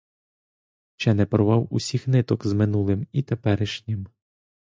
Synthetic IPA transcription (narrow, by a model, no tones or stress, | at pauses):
t͡ʃɛnɛpɾɔʋɑwusʲixnɪt̪ɔkzmɪnulˠɪmit̪epɛɾɪʃnʲɪm